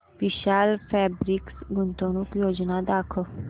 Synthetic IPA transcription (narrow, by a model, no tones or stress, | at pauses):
ʋɪʃaːlpʰɛːbɾɪksɡʊnt̪õːnũkjoːd͡ʒnaːd̪aːkʰoː